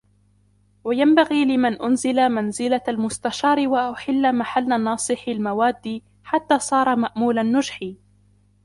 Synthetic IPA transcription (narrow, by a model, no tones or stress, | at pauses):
wajambaɣiːlɪmanʔʊnzɪlamanzɪlaalmʊst̪aʃɑːɾˤɪwaʔaħɪlːamaħalːaːnɑːsˤɨħɪlmawaːd̪ːiː | ħat̪ːaːsˤɑːɾˤɑmaʔmuːlanːʊd͡ʒħiː